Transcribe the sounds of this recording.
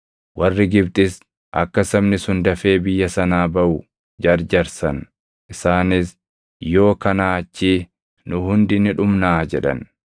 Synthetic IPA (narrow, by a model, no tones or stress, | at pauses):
wɐrːɪɡɪbt̪ʼɪs | ʔɐ̰kːɐsɐmnɪsʊnd̪ɐfe̞ːbɪjːɐsɐnaːbɐʔʊ | d͡ʒɐɾd͡ʒɐɾsɐn | ʔɪsaːnɪs | jo̞ːkɐnaːt͡ʃːiː | nʊhʊnd̪ɪnɪᶑʊmnaːd͡ʒɛᶑɐ̰n